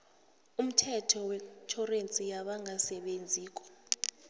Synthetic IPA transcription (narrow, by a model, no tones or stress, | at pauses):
um̩tʰɛtʰɔwɛtʰɔrent͡sʼijaɓaŋʱasɛɓend͡zʱiːk̬ʼɔ̥